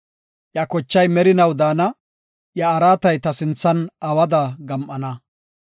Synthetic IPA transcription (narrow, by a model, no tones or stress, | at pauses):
jɐkɔt͡ʃːɐjmɛɾɪnɐwd̪aːnɐ | jɐːɾaːt̪ɐjt̪ɐsɪnt͡sːɐnɐwɐd̪aɡɐmʔɐnɐ